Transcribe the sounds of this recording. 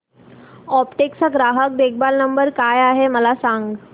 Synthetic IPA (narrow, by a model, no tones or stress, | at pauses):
ɔpʈeksəɡɾaɦək̚bek̚balnəmbəɾkajaɦeməlasaŋɡ